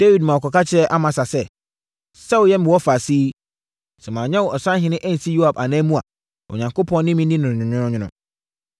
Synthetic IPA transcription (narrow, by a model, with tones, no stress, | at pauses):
d̥e˦wi˨dmã˨ɔ˨kʰɔ˨ka˦t͡ɕʰɪ˦ɛ˦ʔa˦mã˨sa˨sɛ˦˨ | sɛ˦wʊ˨jɛ˦mɪ̃˨wɔ˦fa˨siː˦ | sɛ˨mãː˨ɲɛ̃˦wɔ˨ʔɔ˨sã˦ɦɪ̃˨˦nɪ̃˦ʔæ˦n̩˨si˦ju˦a˨ba˨nãː˦mũ˦a˨ | ɔ̰˨ɲã˨ŋko˦pʰɔ̃˦n˦nɪ̃˦mĩ˦nĩ˦nʊ̃˨ɲʊ̃˨ɲʊ̃˦nʊ̃˦ɲɪ̃˦nʊ̃˦